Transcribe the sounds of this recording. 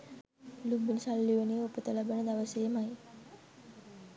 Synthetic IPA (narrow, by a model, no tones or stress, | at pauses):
lubinisalːiʋənejopət̪əlabənəd̪aʋəsejːmaj